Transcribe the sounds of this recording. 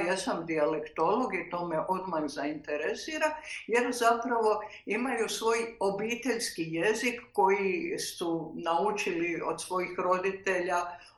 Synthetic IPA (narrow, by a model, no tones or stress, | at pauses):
jesamd̪ialekt̪o̞lo̞ɡit̪o̞ːmeʔo̞d̪majzaint̪eɾesiːɾaje̞ɾzapɾaʋo̞ | imajusʋo̞ːjo̞biːt̪e̞ʎskije̞zikːo̞jisunaut͡ʃilio̞d̪sʋo̞jixɾo̞d̪it̪e̞ʎa